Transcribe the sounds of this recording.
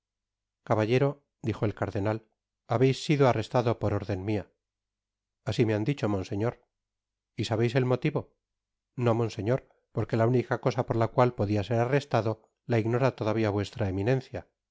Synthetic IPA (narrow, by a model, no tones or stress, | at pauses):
kaβaʎe̞ɾo̞ | d̪ixo̞elkaɾðe̞nal | aβe̞jsːiðoare̞st̪aðo̞poɾo̞ɾðe̞nmia | asimeand̪it͡ʃo̞mo̞nse̞ɲo̞ɾ | isaβejse̞lmo̞t̪iβo̞ | no̞mõ̞nse̞ɲo̞ɾ | po̞ɾke̞launikako̞sapoɾlakwalpo̞ðiase̞ɾare̞st̪aðo̞ | laiɣno̞ɾat̪oðaβ̞iaβwe̞st̪ɾaeminẽ̞nθja